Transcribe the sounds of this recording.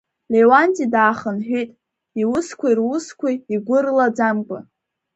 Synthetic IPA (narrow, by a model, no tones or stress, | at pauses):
lewantʼidaːχənħʷᶣejtʼ | iwʊskʷʰairwʊskʷʰaiɡʷʊrlad͡zamkʷʼa